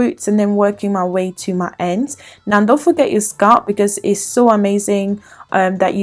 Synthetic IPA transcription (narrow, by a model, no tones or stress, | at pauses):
ʉˑtsə̃nðə̃nwɜˑkɪ̃ŋmaɪweɪtʰəmaɪʔɛ̃ndnaʊ̃ðeɪlˠfəɡɛʔt͡ʃəskɑˑʔb̥ɪkɒzɪtsoʊəmeɪzɪ̃ŋʔʌ̃mðə̰t͡ʃə